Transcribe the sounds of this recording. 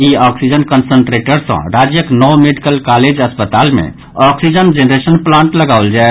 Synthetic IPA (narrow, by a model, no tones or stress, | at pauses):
iɔksid͡ʒənkənsəɳʈɾeʈəɾsə̰̃ɾad͡ʒjəknɔwmeɖikəlkaled͡ʒəspət̪almḛ̃ | ɔksid͡ʒənd͡ʒenɾesənplãɳʈləɡaʊld͡ʒae